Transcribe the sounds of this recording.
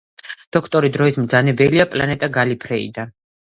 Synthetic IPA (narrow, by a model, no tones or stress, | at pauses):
d̪̥ɔkʰt̪ʼɔɾid̪ɾɔismd̪zanɛbɛliapʼlanɛt̪ʼaɡalipʰɾɛḭd̪an